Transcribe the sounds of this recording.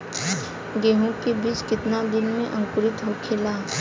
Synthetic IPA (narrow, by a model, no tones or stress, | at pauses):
ɡeɦukːibiskit̪nad̪inmeʔɐŋkuɾit̪ɦɔwkʰela